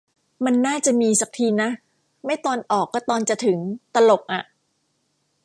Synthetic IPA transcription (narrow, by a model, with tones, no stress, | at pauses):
ma˧nːaː˥˩t͡ɕa˨˩miː˧sa˨˩k̚t̪ʰiː˧na˦˥ | ma˥˩jt̪ɔː˧nʔɔː˨˩kːɔː˥˩t̪ɔː˧nt͡ɕa˨˩t̪ʰɯ˩˦ŋt̪a˧lo˨˩k̚ʔa˨˩ʔ